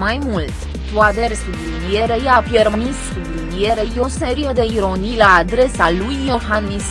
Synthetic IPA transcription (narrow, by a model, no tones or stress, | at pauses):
majmult̪sʲ | t̪uat̪eɾsublinijeɾejapjermanissublilie̞ɾejo̞se̞ɾijed̪e̞iɾo̞nilaːd̪ɾe̞salujːohanmis